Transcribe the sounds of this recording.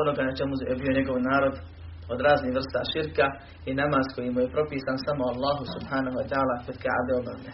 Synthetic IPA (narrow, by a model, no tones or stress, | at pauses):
onoɡanat͡ʃe̞muebijo̞ɲe̞ɡo̞ʋnaːɾo̞d̪ | od̪ɾaːzniːhʋr̩st̪a̰ːʃiɾka | inamaːz̥ko̞jimuje̞pɾo̞piːsaːnsamoalːaːɦusubhaːnohuat̪ɛaːlaːkod̪ka̰ʔa̰d̪eobamd̪e